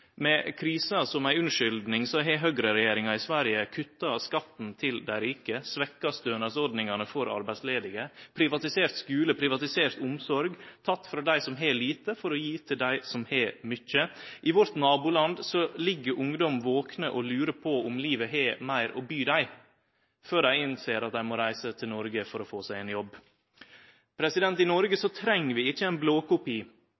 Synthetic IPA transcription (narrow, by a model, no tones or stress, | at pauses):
mɛkʰɾiːsɑsɔmæɪʉnʂʏld̪nɪŋsɔɦɛɦœɡɾəɾɛjeːɾɪŋɑɪsʋæɾjəkʰʉt̪ːɑskɑt̪n̩t̪ʰɪld̪æɪɾɪːkəsʋɛkːɑst̪øːnɑsɔɾd̪nɪŋɑnəfɔɾɑ̰ɾbæɪsleːd̪ɪɡəpʰɾɪʋɑt̪ɪseːɾt̪skʉːləpʰɾɪʋɑt̪ɪseːɾt̪ʊmsɔɾɡt̪ʰɑt̪ːfɾɑːd̪æɪsɔmɦeːliːt̪əfɔɾɔjiːt̪ʰɪld̪æɪsɔmhɛːmʏt͡ʃːəʔɪʋɔɾt̪nɑːbuːlɑnd̪sɔlɪɡːəɾʔʊŋd̪ɔmʋoːknəʔɔlʉːɾəpʰɔʊmliːʋəɦeːmæɪɾɔbyːd̪æɪ | føːɾæɪɪnseːɾɑt̪̚d̪æɪmɔɾæɪsət̪ʰɪlnɔɾɡəfɔɾɔfoːsæɪɛːnjɔbː | pʰɾɛsɪd̪ɛnt̪ɪnɔɾɡəsɔt̪ʰɾɛŋːəʋɪɪçːəæɪnbloːkʊpiː